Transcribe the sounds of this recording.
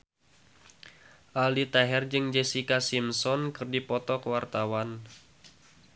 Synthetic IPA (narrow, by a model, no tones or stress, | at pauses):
ʔalit̪aɦɛrd͡ʒɨŋd͡ʒesikasimsɔnkɨrdipɔt̪ɔkəwart̪awan